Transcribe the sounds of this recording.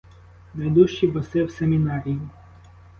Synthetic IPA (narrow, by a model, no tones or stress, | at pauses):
ned̪uʃt͡ʃibɔsɪwsemʲinɑɾʲijʊ